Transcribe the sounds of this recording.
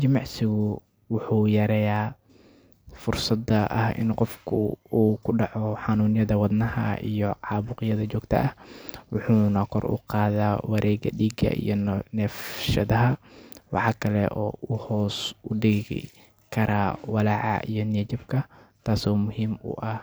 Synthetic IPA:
t͡ʃɐmɑʕsɪɣʊ | wʊħuːjɐɾɛːjaː | fʊrsɐd̪ɐʔɐ̰hɪ̰nqɔfkʰʊuːkʰʊɖɑʕɔħɑnuːnɪjɐðɐwɑd̪nɐhɐ̰ḭjɔʕɑːβʊqɪjɐðɐt͡ʃɔːɡt̪ʰɐ̰ʔɐhwʊħuːnɐkʰɔrʊ̰qɑːðaːwɐɾʔɛːɡɐ̰ɗiːɡɐ̰ʔḭjɔnɛːfʃɐðɐɦɐwɑ̰ħɑːkʰɐlɛ̰ʔɔːʊhɔːsʊɖɪɣɪ̰ | kʰɐɾaːwɑlɑʕɑ̰ʔijɔnɛːt͡ʃɐbkʰɐt̪ʰaːsɔːmʊɦiːmʊ̰ʔɐh

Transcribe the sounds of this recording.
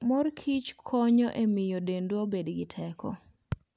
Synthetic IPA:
mɔrkʰit͡ʃkʰoɲɔʔemɪjodendwobedɡɪtʰɛkʰɔ̰

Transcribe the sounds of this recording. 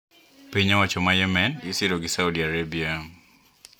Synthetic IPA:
piɲawat͡ʃɔmajɛmɛnɪsɪɾɔɡɪsaudiaɾebia

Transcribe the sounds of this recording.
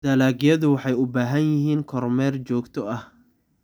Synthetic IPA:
d̪̥ɐlaːɡjɐðʊwɑħɑjʊbaːɦɐnjɪɦiːnkʰɔrmɛːrt͡ʃɔːɡt̪ʰɔɐh

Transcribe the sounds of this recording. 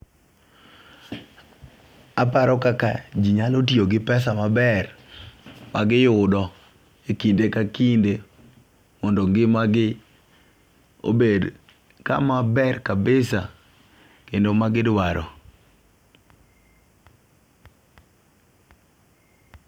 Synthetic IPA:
apaɾɔkakad͡ʒiɲalot̬ioɡɪpɛsamabɛr | maɡɪjʊdɔ | ekindekakinde | mɔndɔŋɡɪmaɡɪ | o̰bed | ka̰mabɛrkabɪsa | kendomaɡɪdwaɾʔɔ̰

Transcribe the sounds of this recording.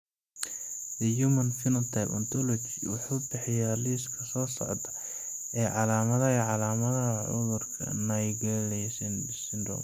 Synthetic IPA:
dɛjumɐnfɪnɐnt̪ʰajpɐ̰nt̪ɔlɔt͡ʃiwʊħuːbɪħɪjaːliːskʰɐsɔːsɔ̰ʕt̪ʰɐ | ɛːʕɑlaːmɐðɐɦɐʕɑlaːmɐðɐɦɐʕʊ̰ðʊrkʰɐ̰nɐjɡɐlɛjsɛnbɪsɪnd̪ɔ̰ːm

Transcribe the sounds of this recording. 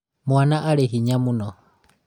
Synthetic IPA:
mwanaʔalɛɦiɲamunɔ

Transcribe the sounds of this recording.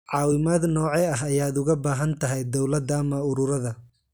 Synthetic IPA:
ʕɑːwɪmaːd̪nɔːʕɛɐɦɐjaːd̪ʊɣɐbaːɦɐnt̪ʰɐɦɛjd̪ɔwlɐd̪ːmɐʊɾʊɾɐðɐ

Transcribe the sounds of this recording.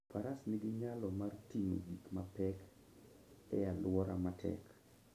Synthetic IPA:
paɾasnɪɡɪɲalɔmartiŋo̰ɡikmapɛk | ɛalwɔɾamatʰɛ̰k

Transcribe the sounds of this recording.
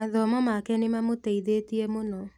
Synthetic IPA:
aðɔmɔmakɛnemamoteiðetiemonɔ

